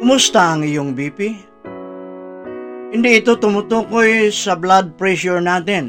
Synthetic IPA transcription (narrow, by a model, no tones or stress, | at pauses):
kʊmʊst̪aʔɐŋɪjoŋbiːpi | hɪnd̪iʔɪt̪o̞t̪ʊmʊt̪uːkojsɐblad̪̚pɹɛʃʊɹnaːt̪ɪn